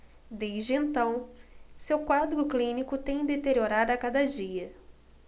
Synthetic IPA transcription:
d̪ejzd͡ʒɪẽnt̪ɐ̃w̃sewkwad̪ɾʊklĩnikʊt̪ẽj̃d̪et̪eɾioɾad̪ʊakad̪ɐd͡ʒiɐ

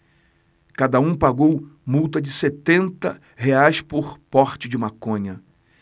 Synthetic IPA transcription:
kad̪ɐũpaɡowmuwt̪ɐd͡ʒɪset̪ẽnt̪ɐ | heajspʊɾpɔɾt͡ʃɪd͡ʒɪmakõɲɐ

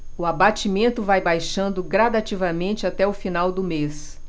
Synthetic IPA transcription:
ʊabat͡ʃimẽnt̪ʊvajbajʃɐ̃nd̪ʊɡɾad̪at͡ʃivɐmẽnt͡ʃɪat̪ɛʊfinawd̪ʊmes

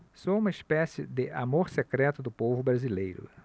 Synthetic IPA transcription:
soũmɐispɛsɪd̪ɪʔamoɾsekɾɛt̪ʊd̪ʊpovʊbɾazilejɾʊ̰

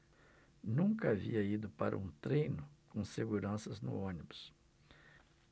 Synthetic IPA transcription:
nũŋkɐaviɐid̪ʊpa̰ɾɐ̰ũt̪ɾejnʊkõseɡuɾɐ̃sɐznʊ̰õnibʊs

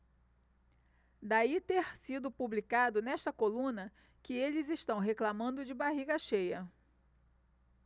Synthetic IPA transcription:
d̪ait̪eɾsid̪ʊpublikad̪ʊnɛʃt̪ɐkolũnɐ | kɪelɪzɪʃt̪ɐ̃w̃ɦeklamɐ̃nd̪ʊd͡ʒɪbaɦiɡɐʃejɐ

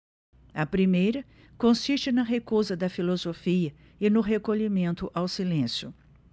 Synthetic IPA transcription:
ɐpɾimejɾɐ | kõsiʃt͡ʃɪnɐɦekuzɐd̪ɐfilozofiɐ | ɪnʊɦekoʎimẽnt̪ʊʔawsilẽsjʊ

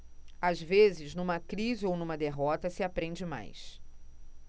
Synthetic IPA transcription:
azvezɪznũmɐkɾizɪownũmɐd̪eɦɔt̪ɐsɪapɾẽnd͡ʒɪma̰js

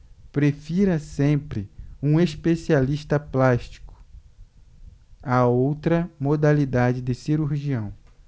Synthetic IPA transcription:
pɾefiɾɐsẽpɾɪũeʃpesialiʃt̪ɐplaʃt͡ʃi̥kʊ̥ | aowt̪ɾɐmod̪alid̪ad͡ʒɪd̪ɪsiɾuɾʒiɐ̃w̃

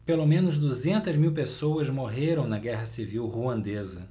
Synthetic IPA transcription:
pelomẽnʊzd̪uzẽnt̪ɐzmiwpesowɐzmoɦeɾɐ̃w̃nɐɡɛɦɐsiviwhuɐ̃nd̪ezɐ

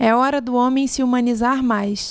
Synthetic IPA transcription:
ɛɔɾɐd̪ʊõmẽj̃sɪumɐ̃nizaɾmajs

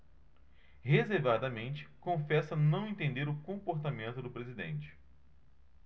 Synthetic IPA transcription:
hezeɾvad̪ɐmẽnt͡ʃɪ̥kõfɛsɐnɐ̃w̃ẽnt̪ẽnd̪eɾʊkõpoɾt̪amẽnt̪ʊd̪ʊpɾezid̪ḛ̃nt͡ʃɪ̥

